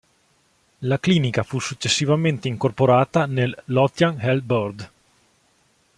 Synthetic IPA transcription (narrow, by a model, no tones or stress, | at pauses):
lakliːnikafusːut͡ʃːesːivament̪eiŋkorpoɾaːt̪anelːɔt̪janhɛlbord̪